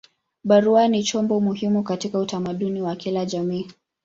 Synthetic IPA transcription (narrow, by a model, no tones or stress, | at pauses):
ɓaɾuanit͡ʃɔmbɔmuhimukatikautamaɗuniwakilaʄamiː